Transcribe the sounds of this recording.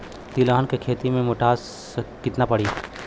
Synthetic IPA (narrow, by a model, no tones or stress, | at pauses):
t̪ilaːnkekʰeːt̪imẽmoʈaːs | kɪt̪napɐɽiː